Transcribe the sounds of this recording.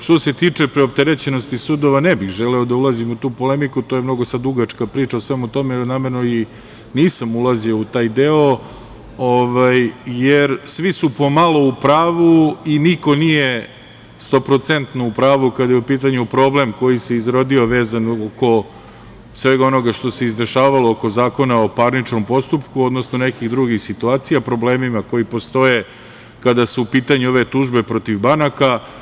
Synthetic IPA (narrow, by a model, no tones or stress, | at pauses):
ʃt̪o̞se̞t̪iːt͡ʂepɾeop̚t̪eɾet͡ɕe̞no̞st̪isud̪o̞ʋanebixʒeleo̞d̪aulˠazimut̪uːpo̞le̞mikut̪o̞jemno̞ɡo̞sad̪ɾuɡat͡ʂkapɾiːt͡ʃaosʋe̞mut̪o̞menameɾno̞i | niːsamulˠaziout̪aːjd̪eo | oʋajjeɾsʋisupo̞malˠo̞upɾaːʋuiniko̞nije | st̪o̞pɾo̞t̪se̞nt̪noupɾaːʋukad̪ajeupiːt̪̬aɲupɾo̞ble̞mko̞jise̞izɾo̞d̪io̞ʋe̞ːzanoko̞ | sʋe̞ɡao̞no̞ɡaʃt̪o̞se̞izd̪eʃaːʋalo̞oko̞zaːko̞naopaɾnit͡ʃno̞mpo̞st̪upkuo̞d̪nosnone̞kiɣd̪ɾuɡixsit̪uaːt̪sijapɾo̞ble̞ːmimako̞ipo̞st̪o̞je | kad̪asuupiːt̪aɲuo̞ʋe̞t̪uʒbe̞pɾo̞t̪iʋbanaka